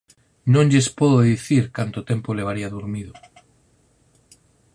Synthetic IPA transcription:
nõnʎespoðoðiθiɾkant̪ot̪empoleβ̞aɾiaðuɾmiðo

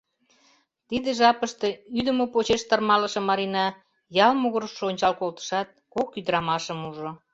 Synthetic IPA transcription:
t̪id̪eʒɑpəʃt̪eyd̪əmopot͡ɕeʃt̪ɑrmɑləʃɤ̆mɑɾinɑ | jɑlmoɣəɾʃonʲt͡ɕɑlkolt̪ə̥ʃɑt̪̚kokyd̪əɾɑmɑʃəmuʒo

